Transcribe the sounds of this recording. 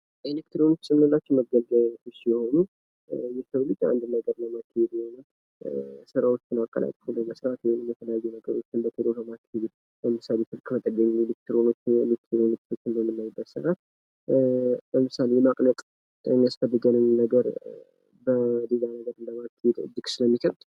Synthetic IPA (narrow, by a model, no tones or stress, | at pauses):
elekt̪ʰɾonot͡ʃːsɨmnɨlːat͡ʃːɛməɡəlɡəlnət̪əʃijɛho̞nu | jɛsəwlɨd͡ʒʼːa̰nd̪ɨnːaɡəɾnəmakʰːihed̪jɛhonum | sɨɾawo̞t͡ʃːɪnakʼːə̰lʔa̰t̪ʼfuləməsɾat̪wenːɨmjɛt̪ʰələjajːunəɡəɾo̞t͡ʃːɪnbət̪ʰɨd̪oɦəmakʰːed̪ | bəmɨsalefɨlkʰʼmət̪ʼːəɡəɲːuulɨkt̪ʰːɨɾonot͡ʃːɪ̰lɨt̪ʰːɾonɨk̪t̪ʰo̞t͡ʃːɪnbəmːɨnːajɪbːəsɨɾat̪ | ləmɨsalejɛmakʼnət̪ʼ | mjasfəd̪ːɨɡənɨnːəɡəɾ | bəd̪elanəɡəɾɨnləmakʰːed̪ɨ̰d̪ɨksɨləmːikʰəɾt̪